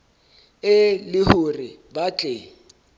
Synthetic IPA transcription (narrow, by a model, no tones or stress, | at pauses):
ɪlɪhʊrɪbat͡ɬʼe